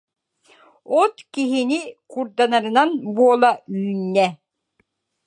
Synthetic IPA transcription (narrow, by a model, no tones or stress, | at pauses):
ɔt̪kiɦinikuɾd̪anaɾɯnanbuɔlˠaynːɛ